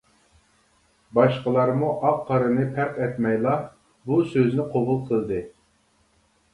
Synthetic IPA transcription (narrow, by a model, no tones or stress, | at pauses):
bɑʃqəlˠɑɾmuʔɑqʰːɑɾɨnɨpʰæɾqɛt̪mɛjlˠɑ | busøznɪqʰobulˠqʰəlˠd̪ɨ